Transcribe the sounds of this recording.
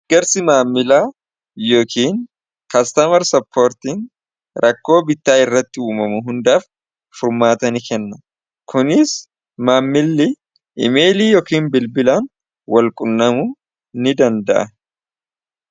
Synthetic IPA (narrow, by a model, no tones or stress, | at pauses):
ɡ̥ɐɾsɪmaːmːɪlaː | jo̞ːkʰiːn | kɐst̪ɐmɐɾsɐpʰːo̞ːɾt̪iːŋ | ɾʔɐkːo̞ːbɪt̪ːaːɪrːɐt̪ːɪuːmɐmʊɦʊnd̪aːf | fʊɾmaːt̪ɐnɪkɛnːɐ | kʊnɪs | maːmːɪlːɪ | ɪ̰me̞ːliːjoːkiːnbɪlbɪlaːn | wɐlkʼʊnːɐmʊ | nɪd̪ɐnd̪ɐ̰ʔɐ